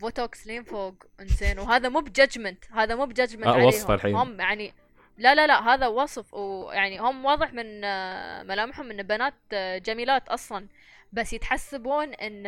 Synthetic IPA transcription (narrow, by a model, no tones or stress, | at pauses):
vot̪oːksliːmfoːɡ | ʔɪnzeːnwɦaːðamuːbd͡ʒad͡ʒmant̪haːðamuːbd͡ʒad͡ʒmanwɑsalħḭːhʊmːjaʕni | lalalaɦaːðawɑsˤfwjaʕnihʊmwɑːðˤɨħmɪn | malaːmɪħhʊmʔɪnːbanaːt̪̚d͡ʒamiːlaːt̪ʔɑsˤlɑn | basːjɪt̪ħasːabuːnʔɪnː